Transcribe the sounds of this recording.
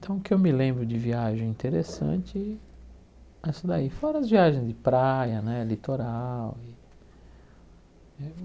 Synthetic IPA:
ĩt̪ʰɐ̃w̃ʊkɪewmɪlẽmbɾʊd͡ʒɪviaʒẽj̃ĩnt̪eɾesɐ̰̃t͡ʃɪ | ɛsɐd̪aifɔɾɐɐzviaʒẽj̃zd͡ʒɪpɾajɐnɛlit̪oɾawi | ɛ

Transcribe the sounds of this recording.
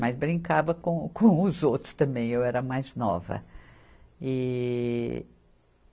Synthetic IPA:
majzbɾĩŋkavɐkõkõʊzowt̪ɾʊ̥st̪ɐ̃mbẽj̃ewɛɾɐmajznɔ̰vɐ̰ | i

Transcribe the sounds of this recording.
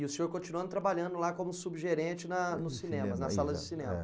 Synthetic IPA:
ɪʊsĩɲoɾkõt͡ʃinuɐ̃nʊt̪ɾabaʎɐ̃nd̪ʊlakõmʊsubʒeɾẽt͡ʃɪnɐnʊsːinẽmɐnɐsalɐzd͡ʒɪsinẽmɐ

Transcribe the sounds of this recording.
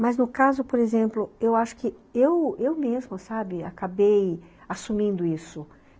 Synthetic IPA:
mɐznʊkazʊpoɾezẽmplʊewaʃʊ̥kɪewewmezmʊsabɪakabej | asumĩnd̪ʊisʊ

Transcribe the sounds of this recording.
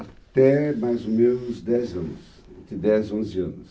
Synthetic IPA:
at̪ɛmajzomẽnʊzd̪ɛzɐ̃nʊs | d͡ʒɪd̪ɛzõzɪɐ̃nʊs

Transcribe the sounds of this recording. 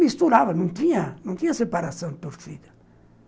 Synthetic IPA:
mist̪uɾaːvanunt̪iɲanunt̪iasepaɾasjɔnt̪uɾfiːd̪ḁ

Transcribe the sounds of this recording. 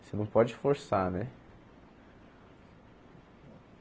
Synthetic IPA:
senɐ̃w̃pɔd͡ʒɪfoɾsanɛ

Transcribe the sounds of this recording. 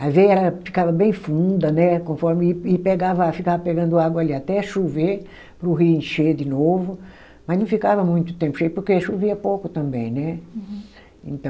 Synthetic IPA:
ɐvejɛɾɐfi̥kavɐbẽj̃fũd̪ɐnɛkõfɔɾmɪːpeɡavɐfikavɐpeɡɐ̃nd̪ʊaɡwɐliat̪ɛɐʃuve | pɾʊɦiẽʃed̪ɪnovʊ | mɐznɐ̃w̃fikavɐmũj̃t̪ʊ̥t̪ẽmpʊ̥ʃejpoɾkeɐʃuviɐpowkʊt̪ɐ̃mbẽj̃nɛ | ḛ̃nt̪ɐ̃

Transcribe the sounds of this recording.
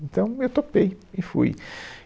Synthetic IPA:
ẽnt̪ɐ̃w̃ewt̪opejɪfṵj

